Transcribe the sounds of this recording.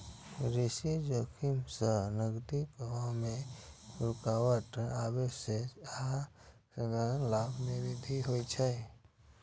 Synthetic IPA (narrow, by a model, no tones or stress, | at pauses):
ɾisid͡ʒoːkʰimsənəɡd̪ikmẽɾʊkaːwəʈaːbesea | səd̪əɾənlaːbniɾɪd̪ʱiɦoit͡ʃʰə